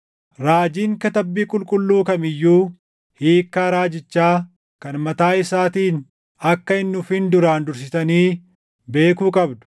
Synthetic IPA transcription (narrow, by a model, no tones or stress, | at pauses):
ɾaːd͡ʒiːŋkɐt̪ɐbːiːkʼʊlkʼʊlːuːkɐmɪjːuː | hiːkːaːɾaːd͡ʒɪt͡ʃːaː | kɐnmɐt̪aːɪsaːt̪iːn | ɐkːɐɪnːʊfɪnd̪ʊɾaːnd̪ʊɾs̬ɪsɐniː | be̞ːkuːkʼɐbd̪ʊ̥